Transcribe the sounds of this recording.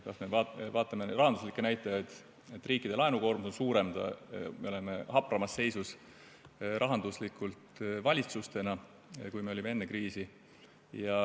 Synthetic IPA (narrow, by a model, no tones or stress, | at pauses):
kɑsme̞ɑvɑːt̪ːˑɑmerɑɦɑnd̪uslikːˑenæjt̪ːˑɑjɑt̪ˑ | et̪ːˑriːkːˑid̪e̞lɑenuko̞ːrmuso̞nsuːɾe̞md̪̥ɑ̰meole̞me̞hɑprɑmɑsːe̞jsus | ɾʔɑɦɑnd̪̥uslikːˑult̪vɑlʲit̪sust̪e̞nɑ | kujme̞o̞lʲimee̞nːe̞kriːsi | jɑ